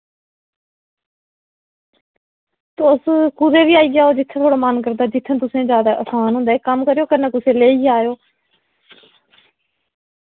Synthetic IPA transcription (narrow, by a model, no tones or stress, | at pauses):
t̪ːʊskuɾeːʋiːaːiːɡɪjaːoːd͡ʒɪt̪ʰːẽːt̪ʰoːɽaːmənkəɾd̪aːd͡ʒɪt̪ʰːə̃ːt̪ʊsẽːd͡ʒjaːd̪aːʔəsʰaːnɦʊ̃nd̪aːeːkəmkəɾejoːkənẽːt̪ʊsẽːleːiːaːjoː